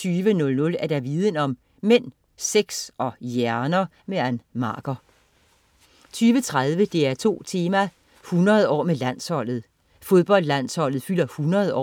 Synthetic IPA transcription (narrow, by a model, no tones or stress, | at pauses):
t͡sʰyːʋənɔ̽lnɔ̽læɐɾ̥æʋiːð̞ˠənɒ̽m | men̰ | seɡ̥sɒ̽jæɐnɐ | meænmɑ̰̈ːɡ̥ɐ | t͡sʰyːʋət͡sʰʁað̞ˠʋəd̥e̝æɐt͡sʰo̝̰ːt͡sʰe̝ːmæ | hunɐð̞̩ˠɒ̰ːmelæn̰shɒ̽l̰ð̩ˠ | fo̝ð̞ˠb̥ɒ̽l̰d̥læn̰shɒ̽l̰ð̩ˠfyl̰ɐhunɐðˠɒ̰